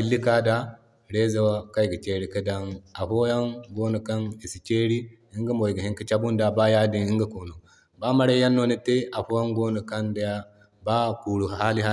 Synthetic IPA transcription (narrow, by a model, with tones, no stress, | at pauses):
i˨˦lːi˦ka˦da˦ | ɾe˦za˦wa˦ka˦i˨ɡə˨t͡ʃe˦ɾi˦kə˦da˦na˨ɸo˦ja˦ŋɡo˦no˨ka˦ni˨si˨t͡ʃe˦ɾi˦ | i˦ŋɡə˦mo˨jɡə˨hi˦ŋki˦t͡ʃa˦bu˦nda˨ba˦ja˦di˦ni˦ŋɡə˦ko˨no˨ | ba˦ma˦ɾa˦ja˦nːo˦ni˦te˦ʔa˨ɸo˦ja˦ŋɡo˦no˨ka˦nda˦ja˦ | ba˦ku˨ɽu˨ha˦li˦ha˦